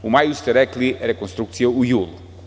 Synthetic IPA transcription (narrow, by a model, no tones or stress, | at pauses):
umajust̪ɐɾɛklˠiɛɾɐkõst̪ɾuksjɐujulˠ